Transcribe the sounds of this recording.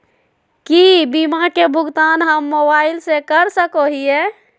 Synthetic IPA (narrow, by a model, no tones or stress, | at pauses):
kibimakebʱʊɡt̪aːnɦəmːobaːɪlsekəɾsəkoɦiɛ